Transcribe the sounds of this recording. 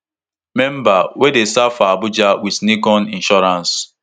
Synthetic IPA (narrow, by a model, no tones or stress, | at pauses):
mɛ̃m̩bawedesafaabʊd͡ʒawidnikɔnĩnʃɔɾãns